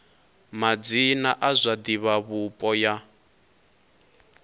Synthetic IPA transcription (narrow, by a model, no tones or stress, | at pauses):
mad͡zinaʔazʷad̪iβaβupʼɔja